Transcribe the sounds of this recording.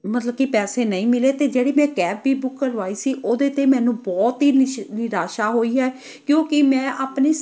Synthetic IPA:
mət̪ləb̚kipɛːseːnəĩːmɪleːt̪eːd͡ʒeːɽeːmɛ̃ːkɛːbbiːbʊkːəɾʋaːiːsiːʔoːd̪eːt̪eːmɛ̃ːnũːbɔːt̪ɦiːnɪɾaːʃaːɦoːiːɦɛː | kjõːkɪmɛ̃ːʔaːpneː

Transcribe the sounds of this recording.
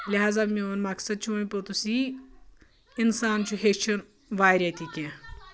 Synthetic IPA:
liɦaːzamioːnmɐksɐd̪̚t͡ʃʰuɐ̃ĩpot̪usi | ɪnsaːnt͡ʃʰuɦeʃʰɐn | ʋaːjɾɐt̪ʰikʲẽ

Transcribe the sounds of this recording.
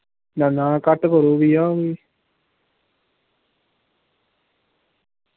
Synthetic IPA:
nanaːkaʈːəkoɾuːʋijaːʋi

